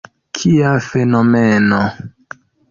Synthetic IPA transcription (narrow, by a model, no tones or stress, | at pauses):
kʰiafe̞nomeno